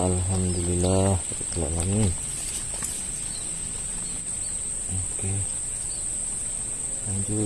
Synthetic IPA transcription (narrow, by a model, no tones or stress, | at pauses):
alɦamd̪ulilːahat̪ala̰ʔlaŋin | oke | laɲd͡ʒu